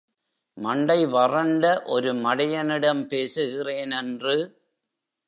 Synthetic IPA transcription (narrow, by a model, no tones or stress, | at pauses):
mɐɳɖɐɪʋɐrɐɳɖɐʔɔɾɯmɐɽɐjɐnɪɽɐmpeːsɯɣɪreːnɛndrɯ